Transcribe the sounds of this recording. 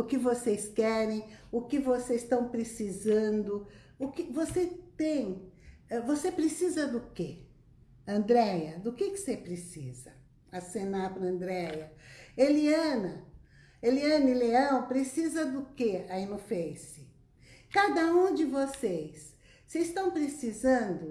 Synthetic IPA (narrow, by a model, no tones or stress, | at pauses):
ʊkɪvosejskɛɾẽj̃ʊkɪvosezst̪ɐ̃w̃pɾesizɐ̃nd̪ʊ | ʊkɪvoset̪ẽj̃ɛvosepɾesizɐd̪ʊke | ɐ̃nd̪ɾɛjɐd̪ʊkɪkɪ̥sepɾesḭzɐ | asẽnapɾɐɐ̃nd̪ɾɛjɐeliɐ̃nɐ | eliɐ̃nileɐ̃w̃pɾesizɐd̪ʊkeɐinofẽjsɪ | kad̪ɐũd͡ʒɪvosejsː | est̪ɐ̃w̃pɾesizɐ̃nd̪ʊ